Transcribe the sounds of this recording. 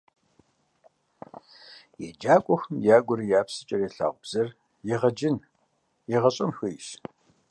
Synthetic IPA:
jɛd͡ʒaːkʷʼɔxmjaːɡʷʊɾijaːpsɨt͡ʃʼɐreːɬa̰ːʁʷʊbz̥ɐr | jɛʁɐd͡ʒɪn | jɛʁɐɕʼɐmxɨjʃ

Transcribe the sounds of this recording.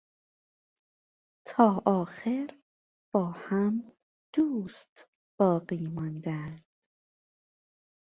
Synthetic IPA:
t̪ʰɒːʔɒːxeɾ | b̥ɒːhæm | d̪̥uːst̪ | b̥ɒːɢiːmɒːnd̪æd̪̥

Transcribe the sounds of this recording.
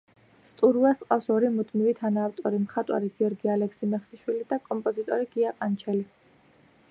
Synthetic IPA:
st̪ʼuɾuasqʼafsɔɾimud̪ʰmivit̪ʰanaːft̪ʼɔɾimχat̪ʼwa̰ɾiɡiɔɾɡialɛksimɛχsiʃwilid̪akʼɔmpʼɔzit̪ʼɔɾiɡiaqʼant͡ʃʰɛli

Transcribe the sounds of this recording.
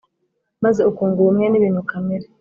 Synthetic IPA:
mazeukuːŋɡuumŋeniβiːn̥ukameɾe

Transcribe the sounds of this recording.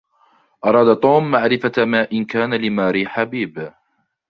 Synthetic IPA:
ʔɑɾˤɑːd̪at̪ˤuːmːaʕɾɪfamaːʔɪnkaːnalɪmaːɾiːħabiːb

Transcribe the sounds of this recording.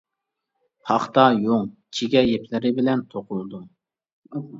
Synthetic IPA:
pʰɑχt̪ɑjoŋt͡ʃʰiɡʲɛjepʰlɪɾɪbɪlɛnt̪ʰoqʰʊlˠɨd̪u

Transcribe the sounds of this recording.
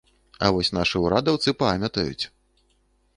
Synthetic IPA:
ɐ̰vɔsʲn̪aʂɨuɾad̪ɐwt̪sɨpamʲɐt̪ɐjṵt͡sʲ

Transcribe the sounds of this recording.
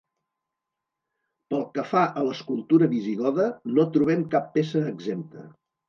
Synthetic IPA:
pəlˠkəfaʔələskulˠt̪uɾəβiziɣɔðənot̪ɾuβɛmkapːesəːɡzemt̪ə

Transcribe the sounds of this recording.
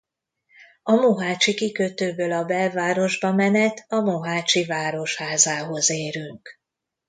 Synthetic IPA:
ɒmoɦaːt͡ʃikikøt̪øːbøːlɒbɛlvaːɾo̞ʒbɒmɛnɛt̪ʰɒmoɦaːt͡ʃivaːɾo̞ʃhaːzaːɦo̞zeːɾyŋk

